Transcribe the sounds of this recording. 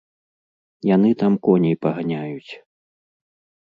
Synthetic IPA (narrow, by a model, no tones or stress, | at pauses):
jan̪ɨt̪amkɔnʲɛjpɐɣanʲajut͡sʲ